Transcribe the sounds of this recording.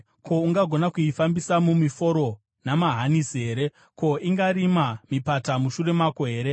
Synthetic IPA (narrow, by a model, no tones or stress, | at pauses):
ko̞uŋɡaɡʱo̞nakuifambisamumifo̞ɾo̞ | namaɦanisiɦe̞ːɾe̞ | ko̞ʔiŋɡaɾimamipatamuʃure̞makoɦe̞ːɾe̞